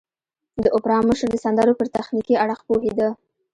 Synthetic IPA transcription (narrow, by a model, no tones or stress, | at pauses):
d̪əʔʊpɾɑmːəʃəɾd̪əsand̪aɾopəɾt̪axnikiaɽəxpoɦed̪a